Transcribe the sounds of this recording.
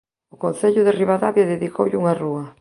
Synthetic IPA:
ʊkonθeʎʊðeriβaðaβjaðeðikowʎuŋaruɐ

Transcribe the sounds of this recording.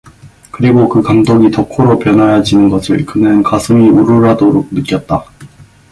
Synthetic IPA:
kɯɾiɡokɯkaŋdoɡitʌkʰoɾopjʌnajad͡ʑinɯnɡʌsʰɯɭkɯnɯnkasʰɯmiuɾɯɾadoɾok̚nɯk͈jʌt̚t͈a

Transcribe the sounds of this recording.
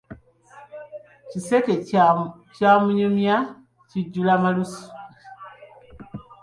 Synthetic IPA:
ciseke | camuɲomja | ciɟulamalusu̥

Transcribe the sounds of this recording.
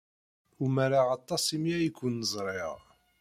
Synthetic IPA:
ʊmaɾaɑt̪ˤːɑsˤimjæjikʷːunːəzˤɾˤɪʁ

